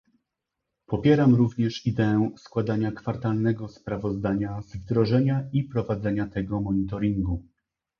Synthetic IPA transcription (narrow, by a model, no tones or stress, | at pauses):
pɔpʲjɛɾamɾuvɲɛʂid̪ɛɛwskwad̪aɲakfaɾt̪alnɛɡɔspɾavɔzd̪aɲazvd̪ɾɔʐɛɲaipɾɔvad̪zɛɲat̪ɛɡɔmɔɲit̪ɔɾiŋɡu